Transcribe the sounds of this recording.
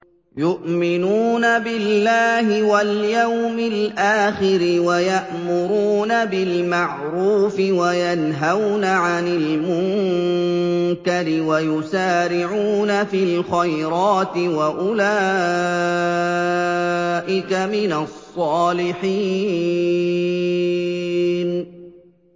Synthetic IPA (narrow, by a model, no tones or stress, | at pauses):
jʊʔmɪnuːnabɪlːaːɦɪwaljawmɪlʔaːxɪɾɪwajaʔmʊɾuːnabɪlmaʕ | ɾuːfɪwajanɦawnaʕanɪlmʊŋ | kaɾɪwajʊsaːɾɪʕuːnafiːlxajɾɑːt̪ɪwaʔʊlaː | ʔɪkamɪnasˤːɑːlɪħi | n